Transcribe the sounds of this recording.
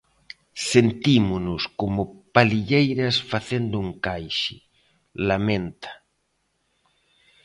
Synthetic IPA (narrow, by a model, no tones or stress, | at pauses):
sent̪imʊnʊskomʊpaliʎejɾɐsfaθend̪ʊuŋkajʃɪ | lamẽnt̪ḁ